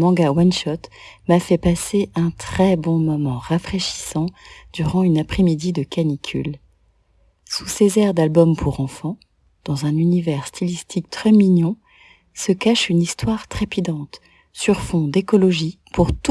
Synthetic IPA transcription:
mɑ̃ɡawanʃɔt̪mafɛpaseʔɛ̃t̪χɛbɔ̃mɔmɑ̃ʁafχeʃi̥sɑ̃d̪̥yʁɑ̃ynapχemid̪id̪əkanikʲʰy̰l | susezɛʁd̪albɔmpʰuʁɑ̃fɑ̃ | d̪̥ɑ̃zɛ̃nynivɛʁst̪ʰilist̪ʰik̚t̪χɛmiɲɔ̃ | səkaʃynist̪waʁt̪χepid̪ɑ̃t̪ | syʁfɔ̃d̪ekɔlɔʒi | puʁt̪

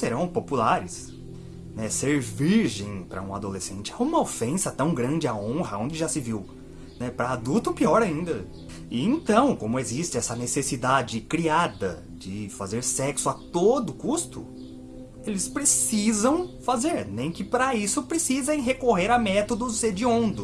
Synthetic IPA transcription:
seɾɐ̃w̃populaɾɪs | nɛseɾviɾʒẽj̃pɾɐ̰ũa̰d̪olesḛ̃nt͡ʃɪɛũmɐofẽsɐt̪ɐ̃w̃ɡɾɐ̃nd͡ʒɪaõɦɐõñd͡ʒɪʒasɪviw | nɛpɾɐːd̪ut̪ʊpiɔɾaĩnd̪ɐ | ɪẽnt̪ɐ̃w̃kõmʊezist͡ʃɪɛsɐnesesid̪ad͡ʒɪkɾiad̪ɐ | d͡ʒɪfazeɾsɛksʊat̪od̪ʊkust̪ʊ̰ | elɪspɾesizɐ̃w̃fazeɾnẽj̃kɪpɾɐisʊpɾesizẽj̃ɦekoɦeɾɐmɛt̪od̪ʊzed͡ʒɪõnd̪ʊ

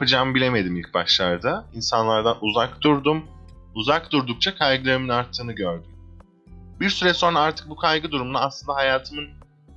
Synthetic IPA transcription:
pad͡ʒaːmbilʲeme̞d̪imilʲc̚baʃlˠaɾd̪ainsanlˠaɾd̪anʔuzakd̪uɾd̪um | uzakd̪uɾd̪uk̚t͡ʃʰakʰajɡɯlˠeɾiminaɾt̪ʰːɯːnɯɟøɾd̪ym | biɾsyɾɛso̞naaɾt̪ʰɯ̥k̚bukʰajɡɯd̪uɾumunaːslˠɯnd̪aɦajaːt̪ʰɯmɯn

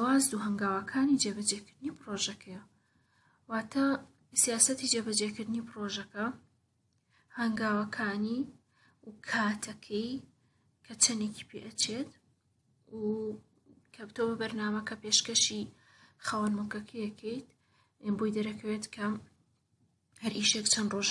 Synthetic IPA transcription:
waːzd̪uɦɐŋɡaːwɐkʰaːnid͡ʒebɐd͡ʒekɨɾd̪ɨnipɾoʒɐkʰɐjɐ | waːt̪ʰɐ | sijaːsɐt̪id͡ʒeːbɐd͡ʒekɨɾd̪ɨnipɨɾoʒɐkɐ | hɐŋɡaːwɐkʰaːni | kʰaːt̪ʰɐkʰɛj | kʰɐt͡ʃʰɐneci̥pʰḛʔɐt͡ʃʰet̪ | u | kʰɐbɨt̪uwɐbɨbɐɾnaːmɐkɐpeʃkɐʃi | xawɐnmokɐkʰɐjɛkʰɛjt̪ | bujd̪ɐɾɐkʰɐwet̪kʰɐ | hɐɾʔiʃekt͡ʃʰɐnroʒ

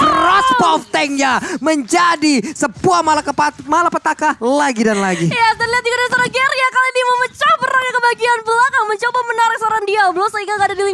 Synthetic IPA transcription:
krɔspɔft̪ɛŋjaməɲd͡ʒadisəpuahmalakpmalapət̪akalaɡidanlaɡijat̪anliɦat̪̚d͡ʒukadəŋsaɾaɡɛɾjakalainiməmət͡ʃahpəɾaŋakəbaɡianbəlakaŋməɲt͡ʃobamənaɾɪk̚saɾandiabəlosaiŋɡaɡadadili

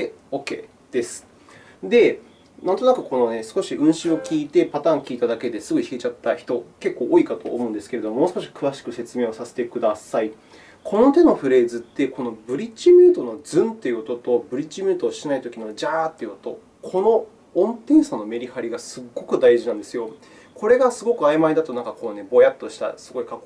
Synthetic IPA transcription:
okeː | d̪̥e̞sɨ̥ | d̪e̞ | nãnt̪onakɯ̟ko̞no̞ne̞sɨ̥ko̞ɕiʔɯ̟̃ɰ̃ɕɨ̃okʲiːt̪e̞pat̪ãːŋkʲiːt̪ad̪ake̞d̪e̞sɨɡoiçiɡet͡ɕat̪ːaçi̥t̪o̞ke̞kːo̞ːʔoːikat̪o̞̰ːmo̞ɯ̟nd̪esɨ̥ke̞ɾe̞d̪o̞momo̞ːsɨ̥koɕ̬i̥kɯ̟βaɕi̥kɯ̟se̞t͡sɨme̞ːo̞sase̥t̪e̞kɯ̟d̪asai | kʰo̞no̞t̪e̞no̞ɸɯ̟ɾe̞ːzɨt̪ːe̞ko̞no̞bɯ̟ɾʲit͡ɕimʲɨːt̪o̞no̞d͡zɨ̃nt̪e̞jɯ̟ot̪ot̪o̞bɯ̟ɾʲit͡ɕːimʲɨːt̪oːɕinait̪o̞kʲinod͡ʑaːt̪ːejɯ̟ot̪o̞ | kʰo̞no̞ | õnt̪ẽɰ̃sãnːo̞me̞ɾʲihaɾʲiɡasɨɡːo̞kɯ̟d̪aiʑinãnd̪e̞sɨjo̞ | kʰo̞ɾe̞ɡasɨɡo̞kɯ̟aemaid̪at̪o̞nãŋkako̞ːne̞bo̞jat̪ːo̞ɕi̥t̪a̰sɨɡo̞ikako

